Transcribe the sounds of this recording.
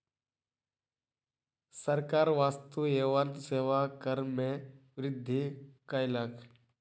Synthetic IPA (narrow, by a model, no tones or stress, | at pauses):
səɾkaːɾʋaːst̪ueːʋənt̪seːʋakəɾmẽʋɾɪd̪ʱːikajlakʰ